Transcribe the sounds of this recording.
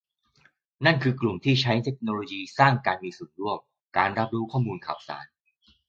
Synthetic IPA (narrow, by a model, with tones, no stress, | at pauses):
na˥˩nkʰɯː˧klu˨˩mt̪ʰiː˥˩t͡ɕʰa˦˥jt̪ʰe˦˥k̚noː˧loː˧jiː˧saː˥˩ŋkaː˧nmiː˧su˨˩ən̚ɾu˥˩əm | kaː˧nɾa˦˥p̚ɾu˦˥kʰɔː˥˩muː˧nkʰa̰ː˨˩wsa̰ː˩˦n